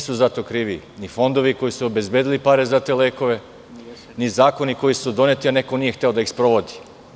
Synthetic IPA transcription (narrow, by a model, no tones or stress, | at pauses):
suzat̪o̞kɾiːʋinifo̞nd̪o̞ʋiko̞jisuobe̞zbʲjeːd̪ilipaɾe̞zat̪e̞leːko̞ʋe̞ | nizaːko̞niko̞jisud̪o̞net̪iane̞ko̞niːje̞xt̪eo̞d̪aixspɾo̞ʋod̪i̥